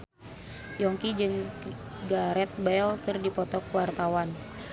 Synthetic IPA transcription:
jɔŋkid͡ʒɨŋ | ɡaɾɛt̪̚bɛlkɨrdipɔt̪ɔkwart̪awan

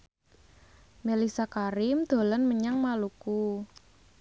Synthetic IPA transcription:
melisakaɾɪmd̪̥o̤lanməɲaŋmaluku

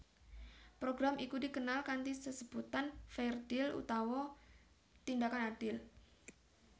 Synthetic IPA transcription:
pɾoɡɾamikudikənalkant̪isəsəb̥ut̪anfɛrd̥ɪlṵt̪awɔ | t̪indakanad̥ɪl

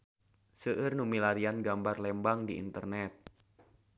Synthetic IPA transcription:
səʔɨrnumilaɾianɡambarlɛmbaŋdiḭnt̪ərnɛt̪̚

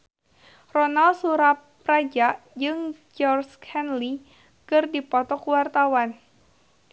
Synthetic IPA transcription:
rɔnalsuɾap | ɾad͡ʒaʔd͡ʒɨŋd͡ʒɔrskʰɛnli | kɨrdipɔt̪ɔkuwart̪awan

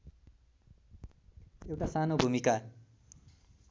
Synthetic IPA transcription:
ewʈasanobʱumika

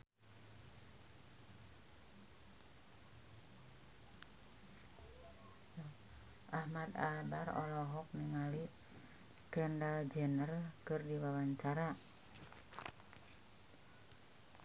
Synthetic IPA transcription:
ʔahmad̪a̰barɔ̰lɔɦɔk̚niŋali | kəndald͡ʒənərkɨrdiwawaɲt͡ʃaɾa

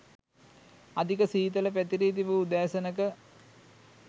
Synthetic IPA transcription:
ɐd̪ʱikəsiːt̪ɐləpæt̪iɾiːt̪̬iʋəud̪aːsɐnəkə

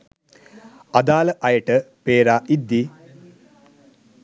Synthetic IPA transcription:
ɐd̪aːləʔɐjəʈəpeːɾaːʔid̪ːi

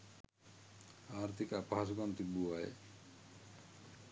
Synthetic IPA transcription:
aɾt̪ʰikapasɡɔnt̪ibuaj̰

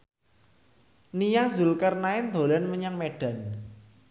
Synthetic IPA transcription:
nijazʊlkərnaɪnd̪o̤lanməɲaŋmeɖ̥a̤n

